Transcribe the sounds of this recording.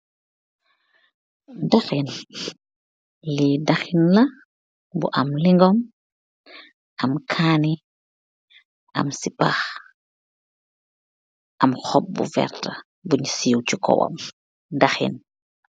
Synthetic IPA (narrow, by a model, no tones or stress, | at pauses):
daxin | lidaxinlɐ | bṵʔɐmliŋɡɔm | ʔɐmkʰaːni | ɐ̰msipax | ʔɐmxɔp̚bṵfɛ̰ɾtɐ | buɲsiːwcukɔ̰wɐ̰m | daxḭn